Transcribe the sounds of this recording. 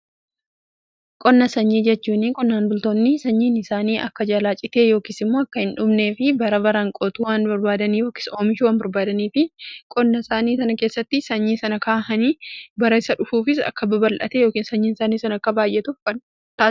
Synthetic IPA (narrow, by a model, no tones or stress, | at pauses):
kʼɔnːɐsɐɲːiːd͡ʒɛt͡ʃːuːnɪkʼɔnːaːnbʊlt̪oːnːɪsɐɲːiːnɪsaːniːʔɐ̰kːɐd͡ʒalaːt͡ʃʼɪt̪eːjo̞ːkiːsɪmːo̞ːɐkːɐhɪnᶑʊbne̞ːfɪbɐɾɐbɐɾɐŋkʼoːt̪uːwaːnbɐɾbaːd̪ɐniːjo̞ːki̥so̞ːmɪʃɪwaːnbɐɾbaːd̪ɐniːfɪkʼɔnːɐsaːniːsɐnɐke̞ːsːɐt̪ːɪsɐɲːiːnsɐnɐkʰaːhɐniːbɐɾɐɪsɐᶑʊfuːfɪsɐ̰kːɐbɐbɐlʔɐ̰t̪ɛjo̞ːkiːnsɐɲːiːnsaːniːsɐnɐɐkːɐbaːjʔɛt̪ʊfkɐn | t̪a